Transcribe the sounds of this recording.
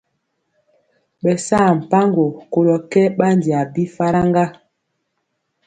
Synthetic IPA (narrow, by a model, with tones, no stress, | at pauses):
ɓɛ˨saː˦˨m̩˨pa˦ŋɡo˨ko˨lɔ˨kɛ˦ɓa˦n˨di˨a˨bi˦fa˦ɾa˦ŋɡa˦